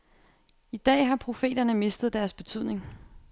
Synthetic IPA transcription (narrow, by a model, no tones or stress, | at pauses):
id̥ɛ̰ːɦɑ̈pʰʁo̝fe̝̰ːdɐnəme̝sd̥ð̩ˠd̥æɐsb̥e̝t͡sʰyð̞̰ˠne̝ŋ